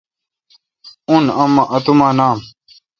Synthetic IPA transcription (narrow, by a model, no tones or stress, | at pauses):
unɐmaʔɐt̪umaːnaːm